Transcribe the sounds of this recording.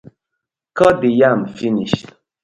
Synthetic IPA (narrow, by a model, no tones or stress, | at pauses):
kɔdijamfiniʃ